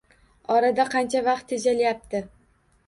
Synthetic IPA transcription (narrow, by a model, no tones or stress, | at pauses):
ɒɾad̪aqʰɑnt͡ʃʰavɑq̚t̪ʰːed͡ʒalɪjap̚t̪ʰɪ